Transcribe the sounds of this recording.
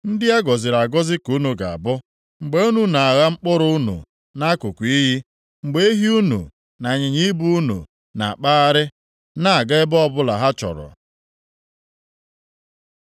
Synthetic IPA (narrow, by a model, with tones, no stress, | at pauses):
n̩˦dɪ˦a˦ɡɔ˨zɪ˨ɾa˨ɡɔ˦zɪ˦ku˦nu˨ɡa̰˨a̰˨bʊ˦ | ŋ͡m̩˨ɡ͡be˦u˦nu˦na˨a˨ɣa˦ŋ͡m̩˦k͡pʊ˦ɾʊ˦nṵ˨ | na˦kʊ˨kʷi˦ɦi˦ | ŋ͡m̩˨ɡ͡be˦i˦ɦi˦u˦nṵ˨ | na˨ɲɪ˨ɲi˦bu˦u˦nṵ˨ | na̰˨k͡pa˦a˦ɾɪ˦ | na˦a˨ɡa˦ɪ˦bɔ˦bʊ˦la˨ɦa˦t͡ʃɔ̰˨ɾɔ̰˨